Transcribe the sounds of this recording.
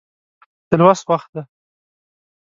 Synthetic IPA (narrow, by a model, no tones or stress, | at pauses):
d̪̥əlwaswaxt̪̚d̪a